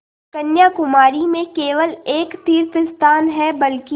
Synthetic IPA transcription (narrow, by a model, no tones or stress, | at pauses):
kɐnjakʊmaːɾimẽkeːʋəleːkt̪iːɾfɪst̪aːnɦɛbɐlki